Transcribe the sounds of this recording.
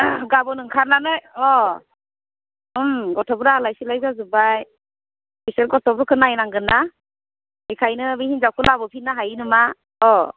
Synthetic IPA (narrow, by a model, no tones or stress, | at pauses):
ɡabɔnɯŋkʰaɾnanɯjɔ | mɡɔtʰɔbɾalajsilajzazubaj | iseɾɡɔtʰɔbɾkʰɯnajnaŋɡɯna | ejkʰajnɯbihinzawkʰɯlabɔpʰinːaɦajnɯma | ɔ